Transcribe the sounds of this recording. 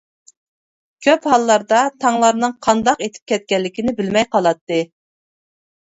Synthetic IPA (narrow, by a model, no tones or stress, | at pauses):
kʲʰøphɑlˠːɑɾd̪ɑt̪ʰɑŋlˠɑɾnɨŋqʰɑnd̪ɑqet̪ʰɪ̥p̚kʲʰɛt̪̚kʲɛlːɪkʲʰinɪbɪlmɛjqʰɑlˠɑt̪ːɨ